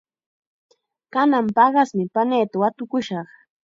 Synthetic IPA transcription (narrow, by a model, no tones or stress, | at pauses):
kanampɑɢɑsmɪpaneːt̪awat̪ʊkʊʃɑχ